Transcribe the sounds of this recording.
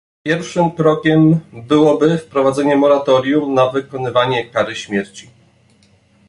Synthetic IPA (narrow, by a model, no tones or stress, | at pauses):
pʲjɛɾfʂɘmkɾɔkʲɛmbɘwɔbɘfpɾɔvad̪zɛɲɛmɔɾat̪ɔɾʲjumnavɘkɔnɘvaɲɛkaɾɘɕmʲjɛɾt͡ɕi